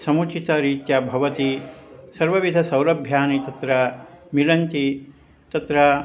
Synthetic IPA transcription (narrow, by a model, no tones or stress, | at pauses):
sɐmut͡ʃit̪ɐɾiːt̪jɐbʱɐʋɐt̪isɐɾʋɐʋid̪ʱɐsɐwlɐbʱjaːnit̪ɐt̪ɾɐmilɐnt̪i | t̪ɐt̪ɾɐ